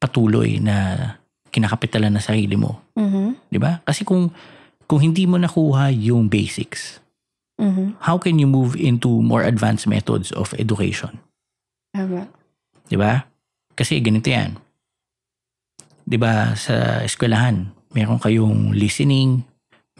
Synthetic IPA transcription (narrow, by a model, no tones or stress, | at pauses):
pɐt̪uːlo̰jnɐ | kɪnakɐpɪt̪ɐlanːɐŋsɐɾiːlɪmʔo̰m̩ɦd̪ɪbakɐsɛkʊŋ | kʊŋhɪnd̪iːmonɐkuːhɐjʊŋbejsɪks̩ | hawkɛnjʊmuvɪ̃nt̪umɔ̰ɹʔɐd̪vansmɛ̰t̪o̰d̪sɔ̰fʔɛ̰d̪ʊkḛjʃo̰n | aba | d̪ɪba | kɐsɛɡɐnɪt̪oja̰n | d̪ɪbasɐ̰ʔɪskwɛlɐhan | mɛːɾoŋkɐjoŋlɪsɛnɪŋ